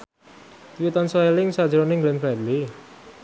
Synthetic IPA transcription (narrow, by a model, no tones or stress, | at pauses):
wit̪ansoelɪŋsad̥ʒəɾonɪŋɡlɛnfɾɛd̪li